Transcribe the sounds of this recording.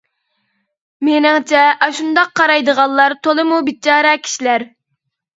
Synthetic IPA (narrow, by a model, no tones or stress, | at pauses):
menɪŋt͡ʃʰɛʔɑʃund̪ɑq̚ʰːɑɾɑjd̪əʁɑnllˠɑɾt̪ʰolˠɨmubit͡ʃʰɑːɾɛkʲʰi̥ʃilæɾ